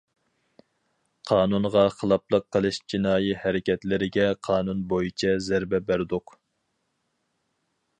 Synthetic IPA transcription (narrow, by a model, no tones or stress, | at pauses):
qʰɑːnunʁɑχəlˠɑplˠəqːəlˠɨʃd͡ʒʰinɑːjihæɾɪkʲɛt̪lɪɾɪɡʲɛqʰɑːnunbojit͡ʃʰɛzæɾbɛbæɾd̪ʊq